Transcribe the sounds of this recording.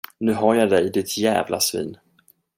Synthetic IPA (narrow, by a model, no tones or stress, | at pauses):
nʉ̟ːɦaɾjad̪ɛjd̪ɪt̪ʰjæ̰ːvlʔa̰svḭːn